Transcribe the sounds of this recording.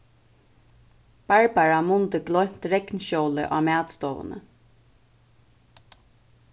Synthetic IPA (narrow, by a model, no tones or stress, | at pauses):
b̥aɹbaɹamʊnt̪ɪɡlɔʏjm̥t̪ɾɛknʃɔwlɪ̰ʔaːmæːt̪st̪ɔːvə̰nə̰